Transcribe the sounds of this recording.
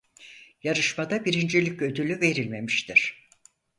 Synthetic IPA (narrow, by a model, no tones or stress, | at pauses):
jaɾɯʃmad̪abiɾind͡ʒelʲicød̪ylʲyve̞ɾilʲme̞miʃt̪ʰiɾ̥